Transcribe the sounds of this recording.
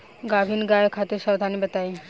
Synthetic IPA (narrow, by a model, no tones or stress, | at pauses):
ɡabʱinɡaekʰat̪eɾʃawd̪ʱanibet̪aj